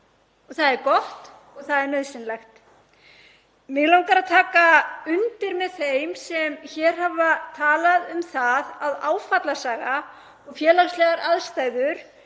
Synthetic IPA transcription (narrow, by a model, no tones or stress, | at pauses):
ɔɣθaðɛɾkɔht̪ | ɔɣθaðɛɾmɛðsɪnlɛxt̪ | mɪɣlawŋkaɾaðt̪ʰaːkaʏnt̪ɪɾmɛðθejmsɛmçɛːɾ̥ɦavat̪ʰaːlaðʏmθaðaðaːwfat̪lasaːɣa | ɔɣfjɛːlaslɛɣaɾʔaðst̪aːjðʏɾ̥